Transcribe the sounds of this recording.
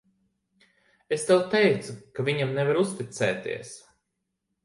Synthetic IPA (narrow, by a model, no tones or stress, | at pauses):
est̪ɛwt̪ɛjt̪sukavʲiɲamnevaɾust̪it̪sɛːt̪ḭɛs